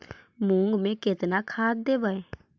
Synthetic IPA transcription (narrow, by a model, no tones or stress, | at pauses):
mũŋɡmẽkɪt̪nakʰaːd̪̚d̪eːbae